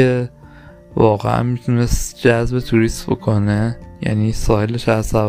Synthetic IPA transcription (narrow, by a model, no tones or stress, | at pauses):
e | vɒːɣḛʔæ̰nmit̪ʰunest̪d͡ʒæzbe̞t̪ʰuɾist̪bo̞̰kʰone̞jæ̰niːsɒːheleʃæzsæv